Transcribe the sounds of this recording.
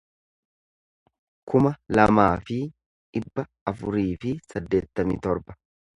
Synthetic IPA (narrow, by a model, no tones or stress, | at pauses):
kʊmɐlɐmaːfɪ | ᶑɪbːɐ | ɐfʊɾiːfɪsɐd̪ːe̞ːt̪ːɐmḭt̪ɔɾbɐ̥